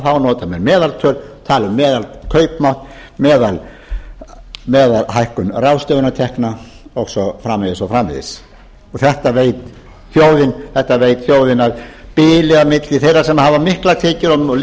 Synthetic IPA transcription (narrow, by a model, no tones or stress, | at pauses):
θawnɔːt̪amɛɾmɛːðalt̪ʰœːlt̪ʰaːlʏmːɛːðalkʰœːɥpmawht̪ | mɛːðal | mɛːðalɦajhkʏnrawst̪œvʏnat̪ʰɛhkna | ɔɣsɔfɾaːmeðɪsawfɾaːmɪ̰ðɪ̰s | ɔɣθɛht̪aveːjt̪ | θjoːwðɪnθɛht̪aveːjt̪θjoːwðɪnaðpɪːlɛɣamɪt̪lɪθejɾasɛmːahaːvamɪhklat̪ʰeːcɪɾɔl